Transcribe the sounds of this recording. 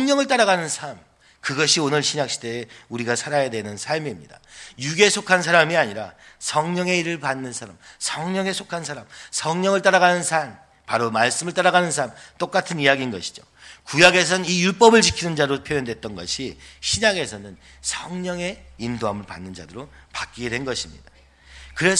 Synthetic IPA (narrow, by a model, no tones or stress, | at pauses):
ʌŋɲʌŋɯɭt͈aɾaɡanɯnsʰam | kɯɡʌɕʰionɯɭɕʰiɲak̚ɕ͈ʰide̞ːuɾiɡasʰaɾajadwenɯnsʰaɭmimɲida̰juɡe̞sʰokʰansʰaɾamiaɲiɾasʰʌŋɲʌŋe̞iɾɯɭpanːɯnsʰaɾa̰msʰʌŋɲʌŋe̞sʰokʰansʰaɾamsʰʌŋɲʌŋɯɭt͈aɾaɣanɯnsʰam | paɾomaɭs͈ɯmɯɭt͈aɾaɡanɯnsʰaɾamt͈ok͈atʰɯnijaɡinɡʌɕʰi̥d͡ʑo̰ | kujaɡe̞s̬ʰʌnɯnijuɭp͈ʌbɯɭt͡ɕikʰinɯnd͡ʑaɾopʰjojʌndwe̞t̚t͈ʌnɡʌ̰ɕʰiɕʰiɲaɡe̞sʰʌnɯn | sʰʌŋɲʌŋe̞indoɦamɯɭpanːɯnd͡ʑadɯɾopak͈̚iɡe̞dwe̞nɡʌɕʰimɲḭda | kɯɾe̞s